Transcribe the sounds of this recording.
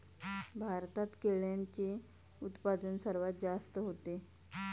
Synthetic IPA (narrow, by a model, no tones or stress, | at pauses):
bʱaɾt̪at̪keɭjaɲt͡ɕe | ut̪pad̪ənsəɾʋat̪̚d͡ʑast̪əɦot̪e